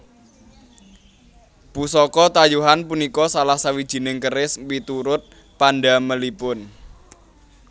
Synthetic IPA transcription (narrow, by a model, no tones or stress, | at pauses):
b̥usɔkɔt̪ajuɦanpunikɔsalahsawid̥ʒ̥i̤nɪŋkəɾɪspit̪uɾʊt̪̚ | panɖaməlipʊn